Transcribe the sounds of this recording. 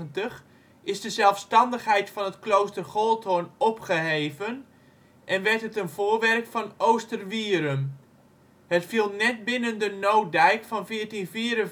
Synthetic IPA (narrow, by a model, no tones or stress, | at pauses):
əntəx | ʔɪzdəzɛlˠfstɑndəxɦɛjtfɔnətklowstərχolˠtʰonɔpχəɦeːvən | ʔɛnʋɛrtətənvʊːrʋɛrkfɑnowstərʋiəɾəm | hətfilˠnɛt̚bɪnəndənowdɛjkfɔnfɪːərtinfiːɾən